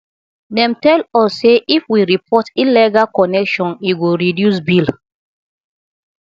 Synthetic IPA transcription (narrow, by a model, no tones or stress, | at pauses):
nɛ̃mtɛlɔsːeʔifwiɹipʰɔtilɛɡakɔnɛkʃɔ̃niɡoɹidjus̬bil